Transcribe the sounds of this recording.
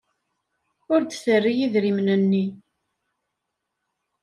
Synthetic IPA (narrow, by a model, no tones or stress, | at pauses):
ʊɾd̪θərːijiðɾimnənːi